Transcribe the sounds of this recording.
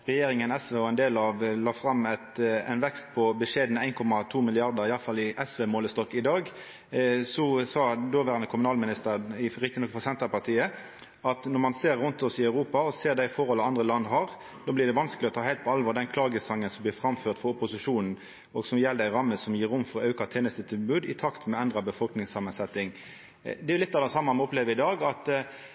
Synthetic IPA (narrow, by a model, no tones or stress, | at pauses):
ʁɛjeːɾɪŋənɛsʋeːɔɛɪnd̪eːlɑʋlɑːfɾɑmːɛt̪æ̰ɪnʋɛkst̪pʰɔbəʂeːd̪nəæɪnkʰɔmːɑt̪ʰuːmɪlɪɑʁd̪əɾɪɑlfɑlːɪʔɛsʋeːmoːləst̪ɔkːɪd̪ɑːɡ | sɔsɑːd̪oːʋæːɾʁɑnəkʰʊmʉnɑːlmɪnɪst̪əɾɪɾɪkt̪ɪnɔkfɔsɛnt̪ɾəpɑʁt̪ʰiːə | ɑt̪nɔmɑnseːɾːʊnt̪ɔsɪɑʉɾuːpɑɔseːʁd̪æɪfɔɾhɔlːəɑnd̪ʁəlɑnːɦɑɾ | d̪oːblɪːʁd̪ɛʋɑnskəlɪɔt̪ʰɑːhæɪt̪pʰɔɑlʋɔːɾd̪ɛnkʰlɑːɡəsɑŋːənsɔmb̪ɪːfɾɑmføːʁt̪fɔɾʊpʊsɪʂuːnn̩ | ɔɡsɔmjɛlːd̪əæɪɾɑmːəsɔmjiːɾʊmːfɔɾɔɑʉkɑt̪ʰeːnəst̪ət̪ʰɪlbʉːd̪ɪt̪ʰɑkt̪mɛɛnd̪ɾɑbəfɔlknɪŋsɑmːənsɛt̪ːɪŋ | d̪ɛɾjʊlɪt̪ːɑd̪əsɑmːɑmɛɔpleːʋəɪd̪ɑːɡɑt̪